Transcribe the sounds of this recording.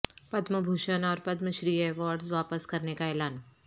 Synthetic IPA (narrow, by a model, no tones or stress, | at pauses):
pəd̪məbʱuʃənaɔɾpəd̪məɕɾiːeʋaːɾɖzʋapəskɐɾnekaelaːn